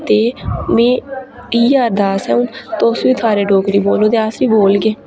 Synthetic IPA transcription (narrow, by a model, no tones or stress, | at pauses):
t̪eːmẽːiːaːɾd̪aːsɛ̰ʊnt̪oːsʋiːt̪ʰaːɾeːɖoːkɾiːboːlõːd̪eːaːsʋiːboːlɡeː